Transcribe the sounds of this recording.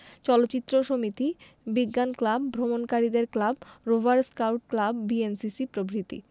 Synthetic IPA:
t͡ɕɔlotːɕit̪ːɾoʃomit̪i | biɡːanklabbʱɾomonkaɾid̪eɾklabɾobaɾskawʈ̚klabbiensisipɾobɾit̪ḭ

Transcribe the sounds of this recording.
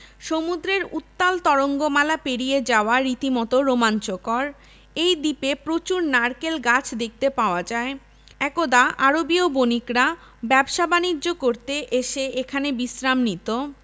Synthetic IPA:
ʃomud̪ɾeɾut̪ːalt̪ɔɾoŋɡomalapeɽied͡ʑaoaɾit̪imɔt̪oɾomant͡ɕokɔɾ | ejd̪ipepɾot͡ɕuɾnaɾkelɡat͡ɕʰd̪ek̚t̪epaoad͡ʑae | ɛkod̪aʔaɾobiobonikɾa | bɛbʃabanid͡ʑːokoɾt̪eʔeʃeekʰanebisɾamnit̪o

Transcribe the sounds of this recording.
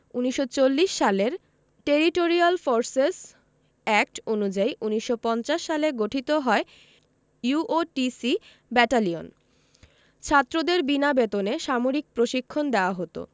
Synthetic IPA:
uniʃot͡ɕolːiʃʃaleɾ | ʈeɾiʈoɾialfoɾses | ɛk̚ʈonud͡ʑaiʔuniʃːopɔnt͡ɕaʃːaleɡoʈʰit̪oɦɔe | juʔoʈisi | bɛʈalio̰n | t͡ɕʰat̪ːɾod̪eɾbinabet̪oneʃamoɾik̚pɾoʃikʰːond̪eoaɦot̪o̰

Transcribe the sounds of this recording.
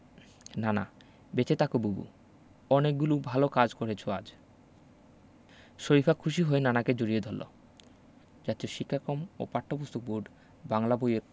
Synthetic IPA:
nana̰ | bet͡ɕet̪akobubṵ | ɔnek̚ɡulubʱalokad͡ʑkoɾet͡ɕʰoad͡ʑ | ʃoɾifʰakʰuʃ̬iɦoenanaked͡ʑoɾied̪ʱolːo̰ | d͡ʑat̪eoʃikʰːakomo̰paʈʰːopust̪ok̚buɖ | baŋlabojeɾ

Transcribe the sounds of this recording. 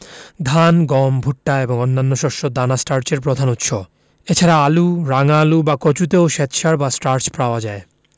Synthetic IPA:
d̪ʱanɡɔmbʱuʈːaeboŋɔnːanːoʃɔɾʃod̪anasʈaɾt͡ɕeɾpɾod̪ʱanut̪ːʃo | et͡ɕʰaɾaaluɾaŋalubakot͡ɕut̪̬eoʃet̪ʃaɾbasʈaɾt͡ɕpɾaoad͡ʑae

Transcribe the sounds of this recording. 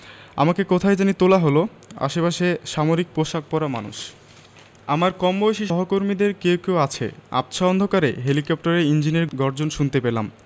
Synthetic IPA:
a̰makekot̪ʰajd͡ʑanit̪olaɦolo | a̰ʃepaʃeʃamoɾik̚pɾoʃak̚pɔɾamanṵʃ | amaɾkɔmːoeʃiʃɔɦokoɾmid̪eɾkewkewat͡ɕʰḛa̰pt͡ɕʰaɔnd̪ʱokaɾeɦelikɔp̚ʈaɾeind͡ʑineɾɡɔɾd͡ʑonʃunt̪epelam

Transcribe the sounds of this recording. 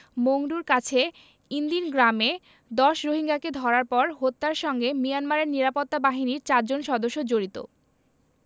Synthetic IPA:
moŋɖuɾkat͡ɕʰe | ind̪inɡɾame | d̪ɔʃɾoɦiŋɡaked̪ʱɔɾaɾpɔɾɦot̪ːaɾʃɔŋɡemijanmaɾeɾniɾapot̪ːabaɦiniɾt͡ɕaɾd͡ʑonʃɔd̪oʃːod͡ʑoɾit̪o̰

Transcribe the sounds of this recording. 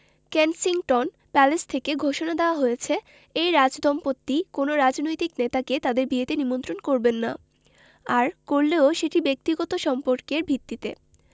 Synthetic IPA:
kensiŋʈɔn | pɛlest̪ʰekeɡʱoʃonad̪eoaɦojet͡ɕʰe | ejɾad͡ʑd̪ɔmpot̪ːikonoɾad͡ʑnojt̪iknet̪atket̪ad̪eɾbiet̪enimont̪ɾonkoɾbenːa | aɾkoɾleoʃeʈibek̚t̪iɡɔt̪oʃɔmpoɾkeɾbʱit̪ːit̪ḛ

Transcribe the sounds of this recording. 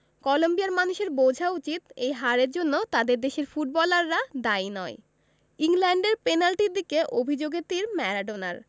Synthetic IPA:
kɔlombiaɾmanuʃeɾbod͡ʑʱaut͡ɕit̪ejɦaɾeɾd͡ʑonːot̪ad̪eɾd̪eʃeɾfuʈ̚bɔlaɾːad̪ainɔe | iŋlɛɳɖeɾpenalʈiɾd̪ikeʔobʱid͡ʑoɡeɾt̪iɾmɛɾaɖona̰ɾ

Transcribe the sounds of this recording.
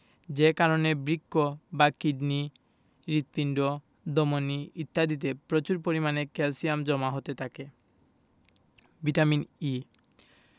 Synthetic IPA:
d͡ʑekaɾonebɾikːobakiɖni | ɾit̪̚piɳɖo | d̪omoniit̪ːad̪it̪̬epɾot͡ɕuɾpoɾimanekɛlsijamd͡ʑɔmaɦot̪et̪ʰake | biʈamini

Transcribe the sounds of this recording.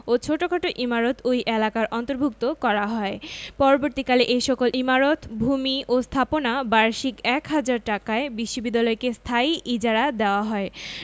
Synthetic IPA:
ot͡ɕʰoʈokʰaʈoʔimaɾot̪ʰojʔelakaɾʔɔnt̪oɾbʱuk̚t̪okɔɾaɦɔepɔɾoboɾt̪ikaleʔejʃɔkolʔimaɾot̪bʱumiʔost̪ʰaponabaɾʃikɛkɦad͡ʑaɾʈakaebiʃːobid̪ːalɔekest̪ʰaiid͡ʑaɾad̪eoaɦɔe

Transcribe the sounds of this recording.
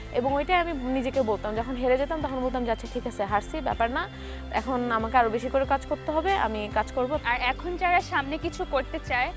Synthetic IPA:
eboŋojʈajaminid͡ʑekebolt̪amd͡ʑɔkʰonɦeɾed͡ʑet̪amt̪akʰonbolt̪amd͡ʑatːʃʰaʈʰikat͡ɕʰeɦaɾsʰibɛ̰paɾna | ɛ̰kʰonamakeaɾobeʃikoɾekad͡ʑkoɾt̪eɦɔbeʔa̰mikad͡ʑkoɾboaɾɛkʰontaɾaʃamnekit͡ɕʰukoɾt̪et͡ɕae

